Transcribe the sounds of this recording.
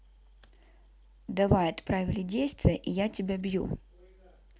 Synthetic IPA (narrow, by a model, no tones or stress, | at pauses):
d̪ɐvajɪt̪pɾavʲɪlʲɪdʲejst̪vʲɪjəʔijatʲɪbʲabjṵ